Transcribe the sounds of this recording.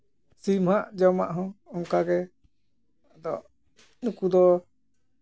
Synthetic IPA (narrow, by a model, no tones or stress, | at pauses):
simhaʔd͡ʒɔma̰ʔɦɔ̃ɔŋkaɡɛ | d̪ɔ | nũkud̪ɔ